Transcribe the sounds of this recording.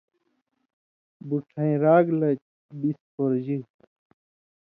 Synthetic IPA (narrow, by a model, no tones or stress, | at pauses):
buʈʰɐ̃ĩɾaːɡlɐt͡ɕ | bispoɾd͡ʑi